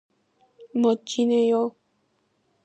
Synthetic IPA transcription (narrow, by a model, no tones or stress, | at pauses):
mõt͡ʃinẽjo